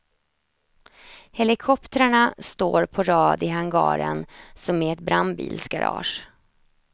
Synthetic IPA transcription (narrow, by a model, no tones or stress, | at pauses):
hɛlɪkʰɔpt̪əɾaɳast̪oːɾpʰɔɾɑːd̪ɪɦaŋɡɑ̰ːɾə̰nsɔmɛɛt̪̚bɾambḭːlsɡaɾɑ̰ːʂ